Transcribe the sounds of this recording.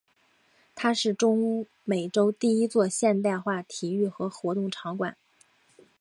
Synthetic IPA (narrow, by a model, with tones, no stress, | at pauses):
t̪ʰa˥ʂɻ̩˥˩ʈ͡ʂʊ˥ŋ | me˨˩ɪʈ͡ʂo˥ʊt̪i˥˩i˥t͡swɔ˥˧ɕjɛ˥˧nt̪a˥˧ɪxwa˥˩t̪ʰi˨˩y˥˩xɤ˧˥xwɔ˧˥t̪ʊ˥˩ŋʈ͡ʂʰɑ˧˥ŋkwa˨˩˦n